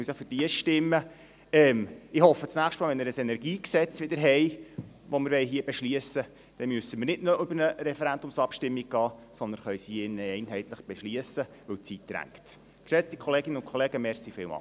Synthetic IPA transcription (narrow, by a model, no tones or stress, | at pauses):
ysjfʏɾd̥iəʃtɪmːə | ɛːmɪhɔfːət͡snæːχʃtmɑːlʋɛnmɪɾəsɛnɛɾɡiːksɛt͡sʋɪd̪əɾɦɛj | ʋomɪɾʋɛjɦiːəbɛʃliəsə | d̥ɛmyəsəmɪɾnɪdnɔʔʏbəɾnəɾɛfɛɾænd̪ʊmsɑpʃtɪmːiɡ̚ɡ̥ɑːsɔnd̪ənχœʏsiɪnːəɛɪnɦɛɪt̪ləχb̥eʃliəsə | ʋɵwt͡sitd̥ɾæ̰ŋkt | ksɛt͡stikʰɔleːɡɪnəʊnkʰχɔleːɡəmɛɾsifɪːlmɑ̰